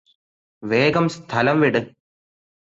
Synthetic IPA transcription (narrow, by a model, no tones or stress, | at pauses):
ʋeːɡɐmst̪ʰɐlɐmʋiɽɨ